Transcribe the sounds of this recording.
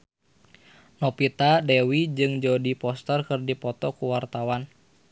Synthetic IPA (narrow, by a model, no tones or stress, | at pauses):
nɔpit̪adɛwid͡ʒɨŋd͡ʒɔdipɔst̪ərkɨrdipɔt̪ɔkuwart̪awan